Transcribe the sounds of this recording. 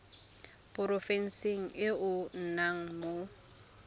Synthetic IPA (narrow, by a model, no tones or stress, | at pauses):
pʼʊɾɔfɛn̩seŋ̩ʔɪʊn̩naŋ̩mo